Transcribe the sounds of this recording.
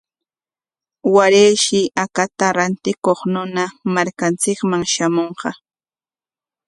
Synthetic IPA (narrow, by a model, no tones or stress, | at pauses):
waɾejʃɪʔakat̪aɾant̪ɪkoχnʊnamaɾkant͡sɪkmaŋʃamoɴɢɑ